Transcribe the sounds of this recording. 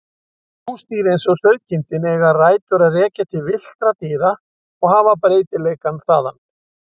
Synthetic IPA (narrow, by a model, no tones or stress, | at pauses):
unst̪iːɾɪejnsɔsœɥcɪnt̪ɪnɛɣaraːjt̪ʏɾaðrɛːcat̪ʰɪlvɪl̥kɾat̪ɪːða | ɔɣhaːvapɾeːjt̪ɪleːjkanθaːða̰n